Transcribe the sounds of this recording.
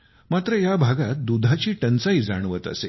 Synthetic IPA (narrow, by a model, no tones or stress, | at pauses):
mat̪ɾəjabʱaɡat̪̚d̪ud̪ʱat͡ɕiːʈənt͡said͡za̰ɽ̃ʋət̪ə̰se